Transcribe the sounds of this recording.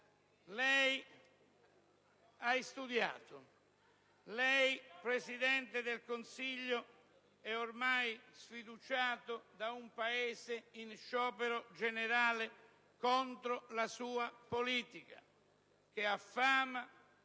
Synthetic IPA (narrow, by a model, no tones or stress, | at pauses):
lɛj | aist̪ud̪ja̰ːt̪ʊ | lɛjpɾesid̪ɛnt̪ɪd̪ɪlkonsiʎːo | ɛormajsfid̪ut͡ʃaːt̪ʊd̪aumpaeːzɪinʃɔːpeɾod͡ʒenɪɾaːlɪ | kɔnt̪ɾolasuːapoliːt̪ika̰ | k̟eafːaːma